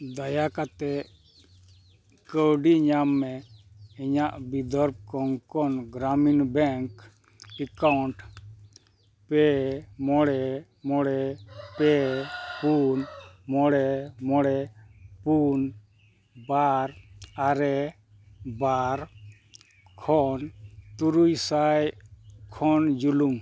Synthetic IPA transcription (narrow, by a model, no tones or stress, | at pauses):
d̪ajakat̪ɛʔ | kəwɖiɲamːɛ | iɲaʔbid̪ɔɾb̚kɔŋkɔnɡɾaminbɛŋk | ɛkawɳʈ | pɛmɔɽɛ | mɔɽɛpɛpunmɔɽɛmɔɽɛpun | baɾaɾɛ | baɾ | kʰɔnt̪uɾujsajkʰɔnd͡ʒulum